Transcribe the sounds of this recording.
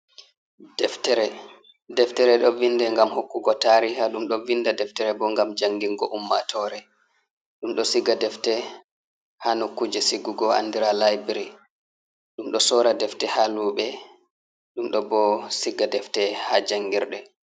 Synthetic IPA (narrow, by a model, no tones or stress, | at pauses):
dɛftɛɾɛ | dɛftɛɾɛɗɔvindɛŋɡamhokːuɡɔtaɾihaɗumɗɔvinːdadɛftɛɾɛbɔŋɡamd͡ʒaŋɡiŋɡɔʔumːatʰɔɾɛ | ɗumɗɔsiɡadɛftɛ | hanokːud͡ʒɛsiɡuɡɔa̰ndiɾalajbɾi | ɗumɗɔsɔɾadɛftɛhaluːɓɛ | ɗumɗɔbɔsiɡadɛftɛhad͡ʒaŋɡiɾɗɛ